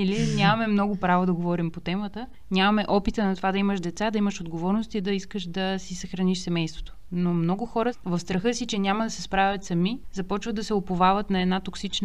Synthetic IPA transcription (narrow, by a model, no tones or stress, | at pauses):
ilinʲamɐmɛmnɔɡʊpɾavod̪ɐɡovɔɾimpot̪ɛmət̪ə | nʲamɐmɛʔɔpit̪ənɐt̪ovad̪ɐiməʃd̪ɛt̪sad̪ɐiməʃod̪ɡovɔɾnost̪id̪ɐiskəʃd̪ɐsisɐxɾɐniʃsɛmɛjst̪vo̥t̪o̥nomnɔɡʊxɔɾəvɐfst̪ɾɐxɤsit͡ʃɛnʲamɐd̪ɐsɛspɾavʲɐt̪sɐmizɐpɔt͡ʃvəd̪d̪ɐsɛopovavət̪nɐɛd̪nat̪oksit͡ʃn